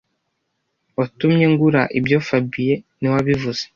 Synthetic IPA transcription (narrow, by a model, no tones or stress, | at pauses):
otumɲe̞ŋɡuɾaʔibjo̞fabijeniwaβivuz̥e̥